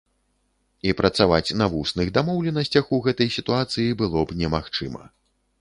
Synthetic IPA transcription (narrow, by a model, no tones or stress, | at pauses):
ipɾɐt̪savat͡sʲnɐvusnɨɣd̪amɔwlʲɛnɐsʲt͡sʲɐxuɣɛt̪ɐjsʲit̪uat̪sɨjibɨlˠɔbnʲɛmaxt͡ʂɨmɐ̰